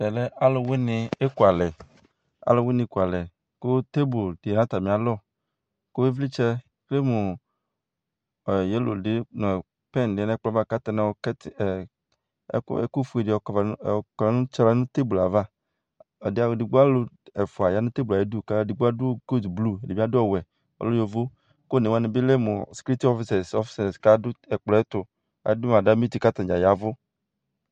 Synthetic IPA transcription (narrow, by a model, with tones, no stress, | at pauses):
ɛ˨lɛ˦a˦lɔ˨wɪ˦nɪ˨e˦ku˨a˨lɛ˨ | a̰˦lɔ˨wɪ˦nɪ˨˦ku˨a˨lɛ˨ | kʊ˦t̪e˦bu˨ldnã˦t̪a˨mĩ˨a˨lɔ˦˨ | kʊ˦e˦vli˦t͡ʃɛ˦ | kle˦mʊ˨ | jɛ˦lo̰˨dɪ˦nɔ̃˨ | pɛ˦n˨dɪ˨ɛ˦nɛ˦k͡plɔ˨˦va˦˨ka˦t̪e˨nɛ˨˦wɔ˦kɛ˦t | ḛ˦ku˦fu˨˦e˨dɪ˨kla˨nʊ̃˦t͡ʃɾa˨˦nʊ̃˦t̪e˦bla˨va˦ | ɔ˨dɪ˦a˨dɪ˨ɡ͡bu˦a˦lʊ˦ | e˨fʊ˨a˨ja˨˦nʊ̃˦t̪e˦bla˨je˦du˦˨ka˦˨di˨ɡ͡bu˦a˦dʊ˦ɡo˦dblu˦e˨de˨bi˦a˦dʊ˦ɔ˨wɛ˨ | ɔ̰˨lo˦jo˨vo˦ | ko˦˨ne˨wa˦ne˨bi˦le˦mʊ˨skɾi˦t̪i˦ɔ˦fi˦sa˨sɔ˦fse˨ska˦dʊ˦ɛ˨k͡plɔ˨˦ɛ˦t̪ʊ˨ | a̰˨˦dʊ˦m˨a˨da˦mi˦t̪i˨ka˦t̪ã˨d͡ʒa˨ja˨vʊ˦